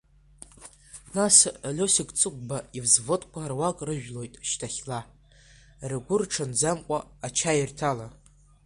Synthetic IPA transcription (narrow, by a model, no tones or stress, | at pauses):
nasalʲosikʼt͡sʼɨk̚ʷʼbaivzvɨtʼkʷʰarwakʼrɨʒᶣlo̞jtʼʃtʰaχʲla | rɨɡʷʊrʈ͡ʂʰand͡zamkʷʼaːt͡ʃʰairtʰala